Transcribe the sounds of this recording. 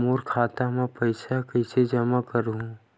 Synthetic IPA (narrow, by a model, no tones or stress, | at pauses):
muːɾkʰaːt̪amɛ̃pɐɪsakɐɪsed͡ʒɐmakɐɾũ